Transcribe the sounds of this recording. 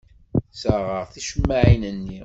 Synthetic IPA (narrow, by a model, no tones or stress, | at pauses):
səʁəʁθiʃəmːaʕinənːi